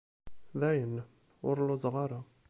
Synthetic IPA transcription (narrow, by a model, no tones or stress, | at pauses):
ðæjən | ʊɾlʊzˤʁɑɾa